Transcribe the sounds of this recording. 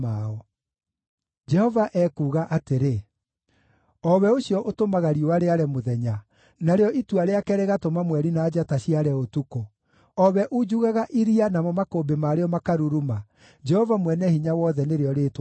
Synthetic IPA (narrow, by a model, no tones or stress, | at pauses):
aɔ | d͡ʒɛhɔvaʔɛːkuːɣaʔateɾe | ɔβɛoɕjɔʔotomaɣaɾiowaɾeaɾɛmoðɛɲa | naɾeɔʔituaɾeakɛɾeɣatomamwɛɾinaːd͡ʒataɕiaɾɛotuko | ɔβɛʔud͡ʒuɣaɣaʔiɾianamɔmakobemaːɾeɔmakaɾuɾuma | d͡ʒɛhɔvamwɛnɛhiɲawɔðɛneɾeɔɾeːt